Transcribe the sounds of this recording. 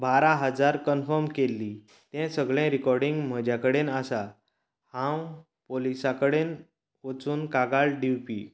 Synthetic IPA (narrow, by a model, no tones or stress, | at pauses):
baɾaɦəd͡zaɾkənfəɾmkelːi | t̪ɛ̃səɡɭɛ̃ɾikɔɾɖiŋɡm̤əd͡ʑjakəɽenasa | hãw | polisakəɽen | ot͡suːnkaɡalɖiwpḭː